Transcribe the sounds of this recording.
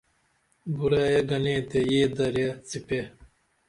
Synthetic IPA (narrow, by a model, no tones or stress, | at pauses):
buɾaːjɐɡɐlẽːt̪ejeːd̪ɐɾjɐt͡sipe